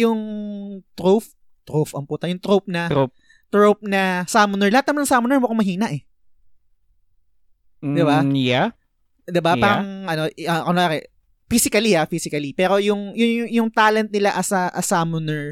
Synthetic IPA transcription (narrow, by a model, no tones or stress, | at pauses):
jʊŋt̪ɾof | t̪ɾofɐmpuːt̪ɐjʊŋt̪ɾowp̚nɐ | t̪ɾop̚nɐsamʊnɛɹlɐhat̪̚nɐmanɐŋsamʊnɛɹwɐkomɐɦiːnɐʔɛ | d̪ɪbaja | d̪ɪbaaːɾɐŋɐnoʔɐkɐnːaːkɛ̰ | fiːsɪkɐlihafiːsɪkɐlipɛːɾo̞jʊŋjʊjʊŋt̪aːlɛnt̪̚nɪlaʔɐsɐʔɐsamʊnɛɹ